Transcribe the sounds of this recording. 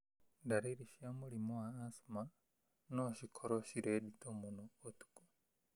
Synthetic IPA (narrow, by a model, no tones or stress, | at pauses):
ndaɾiɾiʃiamulimoaːsuma | noʃikʰoɾoʃiɾeditomunoːtu̥ku̥